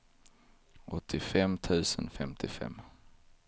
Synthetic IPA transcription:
ʔɔt̪ʰːɪfɛmt̪ʰʉ̟ːsənfɛmt̪ʰɪfɛ̰mː

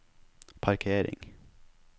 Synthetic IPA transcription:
pʰɑɾkʰeːɾɪ̰ŋ

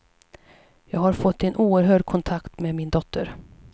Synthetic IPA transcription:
jɑːɡhaɾfɔt̪ːɪnʔuːəɾɦœːɖkʰɔnt̪ʰakt̪meːmɪnd̪ɔt̪ʰːəɾ

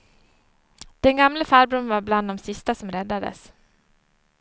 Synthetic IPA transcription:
d̪̥ɛnɡamləfæːɾbɾɵnvaɾbland̪ɔmsɪst̪asɔmɾɛd̪ːad̪ə̰s

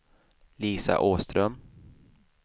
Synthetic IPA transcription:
liːsa̰ʔoːst̪ɾœm

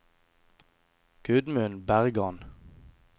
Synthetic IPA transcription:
ɡ̥ʉd̪mʉnbæʁɡɑn

